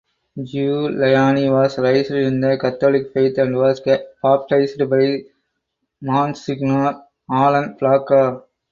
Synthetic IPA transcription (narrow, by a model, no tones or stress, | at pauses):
d͡ʒulɐjaːniʋaːsɾɐɪsɾɪɾɯnd̪ɐkɐt̪ːoːlɪkpeɪt̪ɐɳɖʋaːspaːp̚ʈɾɐɪsɾbɐɪ | maːnsɪɡnaːɾ | aːlɐnflaːkaː